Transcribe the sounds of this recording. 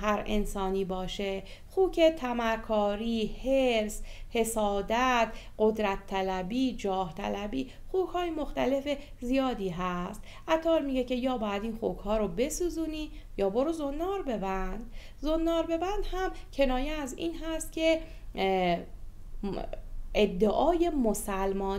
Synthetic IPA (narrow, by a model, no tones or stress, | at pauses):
hæɾḛnsɒːniːbɒːʃe | xuːcʰet̪ʰæmæɾkʰɒːɾiːheɾshe̞sɒːd̪æt̪ɢod̪ɾæt̪ʰːælæbiːd͡ʒɒːht̪ʰæ̰læbiː | xuːkhɒːjemoxt̪æle̞fe | zijɒːd̪iːɦæst̪ | ʔæt̪ʰɒːɾmiːɟe̞cʰe̞jɒːbɒːjæd̪iːnxokhɒːɾobe̞suːzuːniː | jɒːboɾozonːɒːɾbe̞bænd̪̥ | zonːɒːɾbe̞bænd̪̥hæmcʰe̞nɒːjeæziːnɦæst̪̚cʰe̞ | ʔed̪ːeʔɒːje̞mosælmɒːn